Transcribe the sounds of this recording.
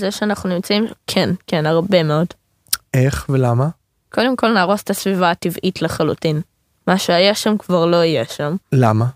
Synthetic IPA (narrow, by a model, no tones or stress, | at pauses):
zeʃeanaχnunimt͡saimkʰenkenaʁbe̞me̞od | ʔeχvelama | kʰo̞de̞mko̞lnaːʁo̞setasvivaːtivʔitleχalṵtin | maʃeajaʃamkvaʁlo̞ijeʃamlama